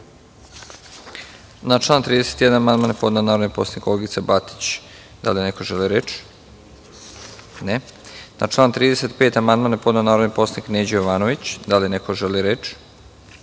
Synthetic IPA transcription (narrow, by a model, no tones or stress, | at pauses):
nat͡ʃlˠaːnt̪ɾiːd̪eset̪jd̪anamand̪manpo̞d̪nanaːɾonipo̞sanikoleɡit̪sabat̪i̥t͡ɕ | d̪a̰lienekoʒeliɾet͡ʃ | nena̰t͡ʃlˠaːnt̪ɾiːd̪ese̞t̪pe̞ːt̪amand̪maːnepod̪nanaːɾod̪nipo̞sanikneːd͡ʑjoʋaːnoʋit͡ɕd̪alinekoʒeliɾeːt͡ʃ